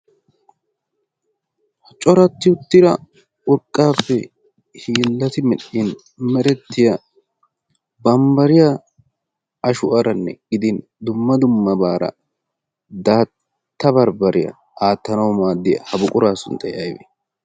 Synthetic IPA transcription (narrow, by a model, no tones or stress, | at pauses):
t͡ʃʼɔɾɐt̪ːɪʊt̪ːɪɾɐ | ʊɾkʼːaːpːɛ | hiːlːɐt̪ɪmɛɗːin | mɛɾɛt̪ːɪjɐ | bɐmbɐɾɪja | ɐʃʊʔɐɾɐnːɛ̰ɡ̥ɪd̪ɪn | d̪ʊmːɐd̪ʊmːɐbaːɾɐ̰ | d̪aːt | t̪ːɐbɐɾbɐɾɪjɐ̰ | aːt̪ːɐnɐwmaːd̪ːɪjɐ̰hɐbʊkʼʊɾaːsʊ̰nt̪ɐjɐjbḛ